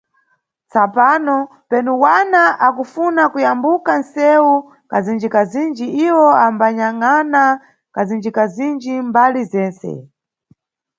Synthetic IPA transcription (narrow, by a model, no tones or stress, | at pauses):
t͡sapaːnɔ | pɛnuwanaʔakufunakujambukansɛwu | kazind͡ʒikazind͡ʒiiwɔambaɲaŋana | kazind͡ʒikazind͡ʒimbalizɛːnt͡sɛ̰